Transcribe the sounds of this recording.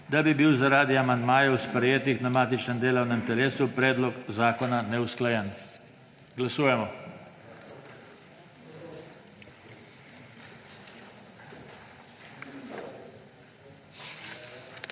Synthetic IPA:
d̪abibiwzaɾaːd̪iamand̪maːjɛwspɾɛjeːt̪iɣd̪ɾamaːt̪it͡ʃnɛnd̪eːlɐwnɛmnt̪ɛɾeːsupɾɛːd̪lɔkzaːkɔnanɛusklajɛn | ɡlasuːjɛmɔ

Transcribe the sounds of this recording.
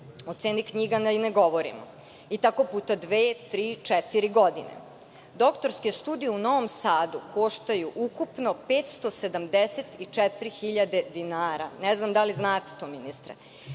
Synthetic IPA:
ot̪seːnikɲiɡanaineɡo̞ʋoɾḭmo̰ | it̪akopuːt̪ad̪ʋeːt̪ɾiːt͡ʂɛt̪iɾiɡo̞d̪inḛ | d̪o̞kt̪o̞ɾskest̪uːd̪ijeuno̞ʋomsaːd̪ukʰo̞ʃt̪ajuʔukupno̞peːt̪st̪osed̪amd̪eset̪it͡ʂɛt̪ɾixiʎad̪ed̪inaːɾaneznamd̪aliznaːt̪e̥t̪oːminist̪ɾḛ

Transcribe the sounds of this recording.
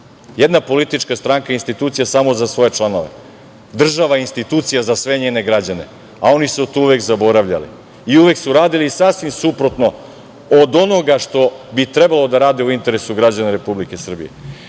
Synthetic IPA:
jed̪napo̞lit̪it͡ʃkast̪ɾaŋkainst̪it̪uːt̪sijasaːmo̞zasʋo̞je̞t͡ʃlˠano̞ʋe̞̰ | d̪r̩ʒaʋainst̪it̪uːt̪sijazasʋe̞ɲeːne̞ɡɾad͡ʑane̞̰ | ao̞nisut̪uuʋekzabo̞ɾaʋʎa̰lḭ | iuʋeksuɾaːd̪iliːsasʋimsupɾot̪no̞ | od̪o̞no̞ɡaʃt̪o̞bit̪ɾebalo̞d̪aɾaːd̪iuint̪e̞ɾe̞suɡɾad͡ʑanaɾe̞publikesr̩bḭjḛ

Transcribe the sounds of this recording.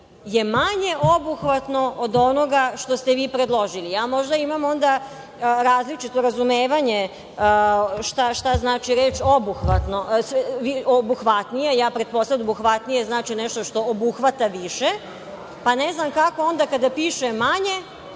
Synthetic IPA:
je̞maɲe̞ʔobuxʋat̪no̞od̪o̞no̞ɡaʃt̪ost̪eʋiːpɾed̪lˠo̞ʒilijaːmo̞ʒd̪aimamo̞nd̪a | ɾaːzlit͡ʃit̪o̞ɾazumeːʋaɲe | ʃt̪aʃt̪aznaːt͡ʃiɾeːt͡ʃobuxʋat̪no̞sʋiobuxʋat̪nijejaːpɾet̪po̞sˠad̪obuxʋat̪nije̞znaːt͡ʃineʃt̪oʃt̪o̞obuxʋat̪aʋiʃe̞ | paneznamkako̞o̞nd̪akad̪apiːʃemaɲe̞

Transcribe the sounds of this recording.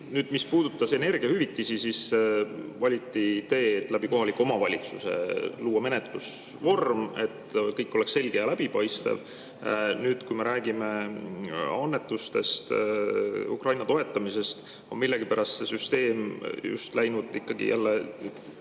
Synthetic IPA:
nyːd̪̥mispuːd̪̥ut̪ːˑɑse̞ne̞rɡ̥iɑhyvit̪ːisisis | vɑlʲit̪ːˑit̪e̞ːt̪ːˑlæb̥iko̞ɦɑlikːˑuo̞mɑvɑlʲit̪suse̞̰luːɑme̞net̪lus | vo̞rme̞̰t̪ːkɤjkːˑo̞leksːe̞lɡ̥ejɑlæb̥ipɑjst̪ḛv | nyːd̪̥kujme̞ɾʔæːɡime̞ | ɑnːe̞t̪ːˑust̪e̞̰st̪ | ṵkrɑjnɑt̪o̞e̞t̪ˑːɑmise̞st̪ | o̞nmilːe̞ɡ̥ipæɾɑst̪se̞syst̪e̞ːmjṵst̪læjnud̪̥ikːɑɡḭjʔæ̰lːe

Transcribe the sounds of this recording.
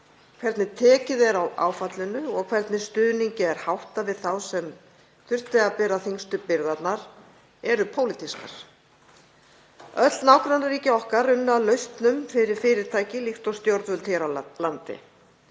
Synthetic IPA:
kʰvɛɾt̪nɪt̪ʰɛːcɪðɛɾawʔa̰ːwfat̪lɪnʏɔɣkʰvɛɾt̪nɪ̥st̪ʏːðniɲcɪɛɾ̥hawht̪avɪðθawsɛm | θʏr̥t̪lɪapɛːɾaθiŋst̪ʏpɪɾðat̪naɾ̥ | ɛɾʏpʰowlɪt̪ʰiska̰ɾ̥ | œt̪lnawkɾanaɾiːcɪɔhkaɾːʏnːʏalœɥst̪nʏmfɪɾɪɾ̥fɪːɾɪɾ̥t̪ʰaːjcɪlixt̪ɔst̪jowɾt̪vʏlt̪ʰɛɾalant̪ɪ̰

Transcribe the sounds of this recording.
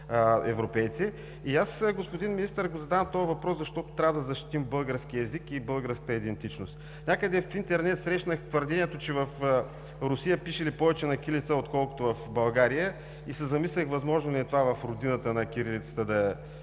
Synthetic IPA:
ɛvɾopɛjt̪si | iasɡospʊd̪inmʲinist̪əɾɡozɐd̪avəmt̪ɔvɐvɐpɾɔszɐʃt̪ɔt̪ʊ̥t̪ɾʲavəd̪ɐzɐʃt̪i̥t̪imbɤlˠɡəɾsk̟iɛzikibɤlˠɡəɾskə̥t̪əid̪ɛnt̪it͡ʃnost̪ | nʲakəd̪ɛfint̪ɛɾnɛt̪sɾɛʃnəxt̪vəɾd̪ɛniɛt̪ot͡ʃɛvɐf | ɾʊsijəpiʃɛlipɔvɛt͡ʃɛnɐkʲilit̪səot̪kɔlˠkʊ̥t̪ovɐfbɐlˠɡaɾijə | isɛzɐmislʲəxvɐzmɔʒnʊlʲɛt̪ovavɐfɾʊd̪inət̪ənɐkʲiɾilit̪sə̥t̪əd̪ɐ

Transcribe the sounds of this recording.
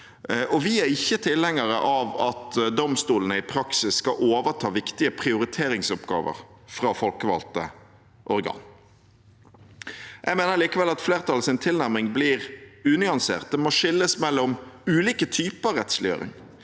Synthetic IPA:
ʔɔʋɪæɾɪçːət̪ʰɪlɛŋəɾəʔɑʋɑt̪d̪ɔmst̪uːlənəɪpʰɾɑksɪsːkɑʔoːʋəʁʈ̪ʰɑːʋɪkt̪ɪəpʰʁɪʊɾɪt̪ʰeːɾɪŋsɔpɡɑ̰ːʋə̰ʁ | fɾɑːfɔlkəʋɑ̰lt̪ə̰ | ʔɔɾɡɑ̰ːn | jʔæɡmeːnəʁliːkəʋɛlɑt̪fleːʁt̪ʰɑlsɪnt̪ʰɪlnæʁmɪŋbliːʁʉːnʏɑnsḛːʁt̪̚d̪ɛmɔʂɪlːəsmɛlːɔmʉːliːkət̪ʰyːpəɑʁɛt̪slɪø̰ːɾɪ̰ŋ

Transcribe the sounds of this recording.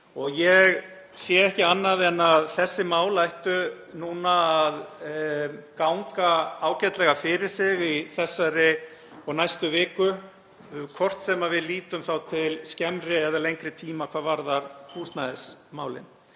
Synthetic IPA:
ɔɣjɛɣ | sjɛɛhcɪanːaðɛnːaðθɛsːɪmaːwlajht̪ʏ | nuːnaːð | kawŋkaaːwcɛt̪lɛɣafɪɾɪɾ̥sɪɣiθɛsːaɾɪ | ɔɣnajst̪ʏvɪːkʏ | kʰɔr̥t̪sɛmavɪðliːt̪ʏmθawt̪ʰɪlscɛmɾɪɛðalejŋkɾɪt̪ʰiːmakʰvaːðvaɾðaɾ̥kʰuːst̪naðɪsmaːwlɪ̰n

